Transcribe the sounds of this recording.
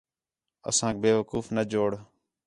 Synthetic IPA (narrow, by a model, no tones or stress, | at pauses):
ə̰sãːk̚beːʋəkuːfnəd͡ʒoːɽ